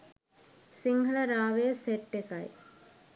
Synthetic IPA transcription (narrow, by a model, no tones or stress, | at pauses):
siŋɡʱələɾaːʋejəseʈːekaj